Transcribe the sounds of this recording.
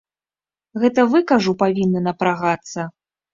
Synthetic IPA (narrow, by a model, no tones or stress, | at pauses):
ɣɛt̪ɐvɨkaʐupavʲinːɐnɐpɾaɣat̪sːɐ